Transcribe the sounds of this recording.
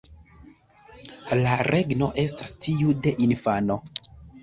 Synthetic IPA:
laɾʔe̞ɡno̞ʔe̞stastiude̞ʔinfano̞

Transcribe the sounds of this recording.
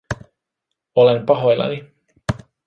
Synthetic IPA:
ole̞mpɑɦo̞jlːɑ̰ni

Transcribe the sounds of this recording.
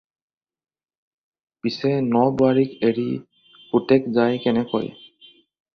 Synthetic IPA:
pisɛnɔbaɹikeɹi | utɛkzajkɛnɛkɔ̰j

